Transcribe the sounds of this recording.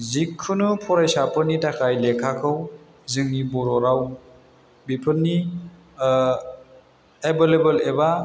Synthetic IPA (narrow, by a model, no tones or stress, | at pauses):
zikʰːɯnɯpʰɔɾajsapʰɯnitakʰajlekʰakʰɯw | zɯŋnibɔɾɔɾaw | bipʰɯni | ebelebɯleba